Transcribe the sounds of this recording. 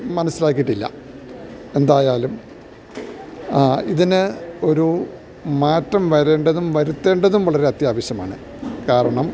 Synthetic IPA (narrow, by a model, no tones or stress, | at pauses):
mɐnɐsːilaːkːijiʈːilːɐ̰ | e̞nd̪aːjaːlum | iðinɨo̞ɾu | maːtːɐmʋɐɾe̞ːɳɖɐðumʋɐɾut̪ːe̞ːɳɖɐðumʋɐɭɐɾeɐt̪jaːʋɐɕjɐma̰ːɳɨ | kaːɾɐɳɐm